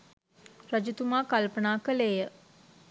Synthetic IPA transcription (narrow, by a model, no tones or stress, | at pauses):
ɾəd͡ʒut̪umaːkalpənaːkəleːjə